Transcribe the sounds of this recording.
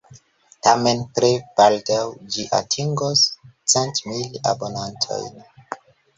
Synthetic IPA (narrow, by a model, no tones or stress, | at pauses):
tamenpɾeb̥aldawd͡ʒiʔa̰tʰiŋɡost͡sentmila̰bo̞nantʰo̞̰jn